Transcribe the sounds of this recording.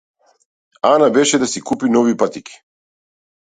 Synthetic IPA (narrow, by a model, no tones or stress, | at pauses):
anabeʃɛd̪asikupinoʋipat̪iki̥